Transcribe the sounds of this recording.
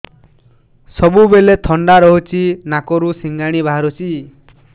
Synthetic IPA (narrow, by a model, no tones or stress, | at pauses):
sɔbubelet̪ʰɔɳɖaɾɔɦut͡ʃʰinakɔɾusiŋɡaɽ̃ibaɦaɾut͡ʃʰi